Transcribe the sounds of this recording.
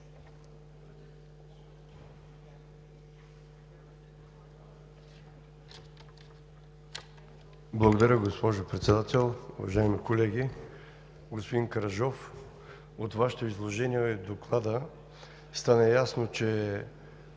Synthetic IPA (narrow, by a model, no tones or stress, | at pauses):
blˠɐɡod̪ɐɾʲəɡospɔʒopɾɛt̪sɛd̪at̪ɛlˠṵvɐ̰ʒaimikolɛɡʲi | ɡospod̪inkɐɾɐʒɔf | ot̪vaʃɛ̥t̪oizlˠoʒɛniɛɛd̪oklˠad̪ə | st̪anəjasnot͡ʃɛ